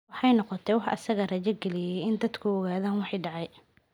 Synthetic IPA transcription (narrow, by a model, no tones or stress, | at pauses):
wɑħɑjnɔqɔt̪ʰɛwɑħʔɐ̰sɐɣɐrɐt͡ʃɛɡɛlɪjɛjɪnd̪ɐd̪kʰʊɔɣaːðaːnwɑħijɖɑʕɑj